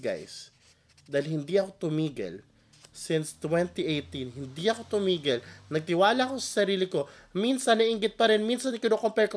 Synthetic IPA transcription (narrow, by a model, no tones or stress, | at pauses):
ɡa̰js | d̪aɪlhɪnd̪iɐko̞t̪ʊmiːɡɐ̰l | sɪnst̪wɛnt̪iʔejt̪inɦɪnd̪iʔɐko̞t̪ʊmiːɡɐlnɐɡ̚t̪ɪwaːlɐɐko̞sɐ̥sɐɾiːlɪko̞minsɐnːɐʔiŋɡɪt̪̚pɐɾɛnminsɐnkɪnokompɛɹko